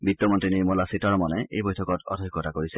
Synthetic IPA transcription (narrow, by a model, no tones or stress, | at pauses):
bitːɔmɔntɹiniɹmɔlasitɔɹmɔnɛḛjbojtʰɔkɔtɔ̰dʱɔjkːɔtakoɹisɛ